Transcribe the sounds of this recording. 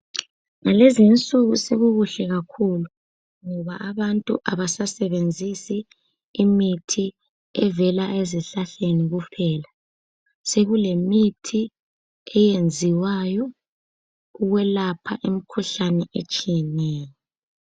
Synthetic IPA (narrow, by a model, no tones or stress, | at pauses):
ŋalezint͡sʼuɣuseɣuɣuɬɛɣakʰulu | ŋɔβa̰aβantʼṵʔaβasasɛβend͡zʱisiː | mitʰi | ɛvɛlaʔeziɬaɬeniɣupʰɛːla | seɣulemitʰi | ɛjend͡zʱiwajɔ | uɣwɛlapʰa̰ʔem̩kʰuɬanɛʔet͡ʃʼijɛnɛːjɔ